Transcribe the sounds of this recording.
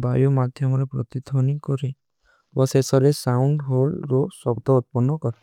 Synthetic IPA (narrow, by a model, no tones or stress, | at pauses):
bajumad̪ʱjɔmɔɾepɾɔ̰t̪id̪ʱɔnikɔɾi | bɔsesɔɾesauɳɖɦolɾosɔbd̪ɔut̪̚pɔnːɔkɔɾi